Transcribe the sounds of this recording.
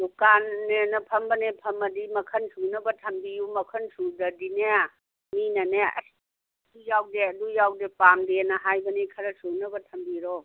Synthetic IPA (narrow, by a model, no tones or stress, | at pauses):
dukanːenɐpʰɐmbɐnepʰɐmɐdimɐkʰɐnsunɐbɐtʰɐmbijumɐkʰɐnsudɐdinea | minɐneɐ̰s | dujawdeɐdujawdepamdenɐɦajbɐnekʰɐɾɐsunɐbɐtʰɐmbiɾɔ